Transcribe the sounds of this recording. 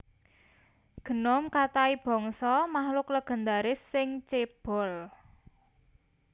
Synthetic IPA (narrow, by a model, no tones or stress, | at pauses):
ɡ̥ə̤nɔmkat̪aib̥ɔ̤ŋsɔmahlʊkləɡ̥ə̤nd̪aɾɪsːɪŋt͡ʃeb̥ɔ̤l